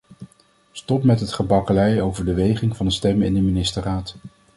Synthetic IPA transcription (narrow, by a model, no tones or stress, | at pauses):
stɔpmɛtɦətχəbɑkəlɛjowvəɹdəʋejχɪŋvɑndəstɛmɪ̰ndəminɪstəraːt